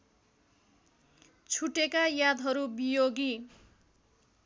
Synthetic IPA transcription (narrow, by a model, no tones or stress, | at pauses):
t͡sʰuʈekajad̪ʱɦʌɾubijoɡi